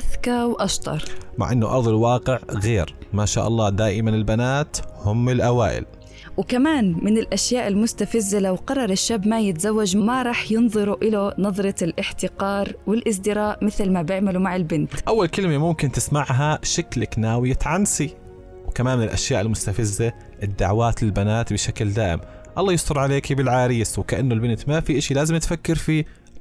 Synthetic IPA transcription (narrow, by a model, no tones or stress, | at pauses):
ʔaðkɑwʔɑʃt̪ˤɑ̰ɾˤma̰ʕʔɪnːʊ̰ʔɑ̰ɾˤðˤɪlwɑːqɪʕɣeːɾmaːʃa̰ːʔɑ̰lˤːɑːd̪aːʔɪmanɪlbanaːt̪hʊmːɪlʔawa̰ːʔɪ̰l | wkamaːnmɪnɪlʔaʃjaːʔɪlmʊst̪afazːalawqɑrˤːɑɾˤɪʃːaːbmajɪt̪azawːad͡ʒmaɾˤɑːħjɪnðˤɨɾuʔɪlanɑðˤɾˤɑɪlʔɪħt̪ɪqɑːɾwɪlʔɪs̬d̪ɪɾɑːʔmɪθlmabjɪʕmalumaʕɪlbɪnt̪ʔawːalkɪlmemʊmkɪnt̪ɪsmaʕɦaʃaklaknaːwɪjat̪ʕansi | wkamaːnmɪnɪlʔa̰ʃjaːʔɪlmʊst̪afɪzːa | ʔɪd̪ːaʕwaːt̪lɪlbanaːt̪bɪʃakld̪aːʔɪ̰m | ʔɑlːɑːjɪsˤt̪ʊɾˤʕaleːkibɪlʕaːɾiːswɪkaʔanːʊlbɪnt̪mafiʔaʃilaːzɪmɪt̪fakːɪɾfiː